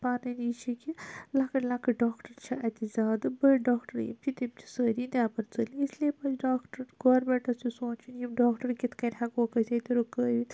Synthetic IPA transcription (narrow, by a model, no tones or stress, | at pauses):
paːnɐniːt͡ʃʰikilakɐlakɨɖaːkʈɐɾt͡ʃʰɐʔɐt̪izʲaːd̪ɨbɐɖaːkʈɐɾjḭmt͡ʃʰit̪imt͡ʃʰi̥səːɾind̪ʲaːpɐɾt͡sɐlisliepɐt͡ʃʰɖaːkʈɐɾɡoːɾbɛːʈɐsisoːt͡ʃinjimɖaːkʈɐɾkit̪ʰkɐnʲɦakoːkɐset̪iɾokəːʋi